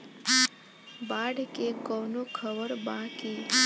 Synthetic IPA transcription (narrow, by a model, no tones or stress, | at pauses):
baɽkekɔnokʰəʋəɾbãki